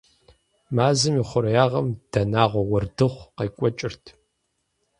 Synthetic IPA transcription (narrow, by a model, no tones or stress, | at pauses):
maːzɨmiːχʷʊɾɐjaːʁɐmd̥ɐnaːʁʷɔwɐrdɨχʷqeːkʷʼɔt͡ʃʼɪrtʰ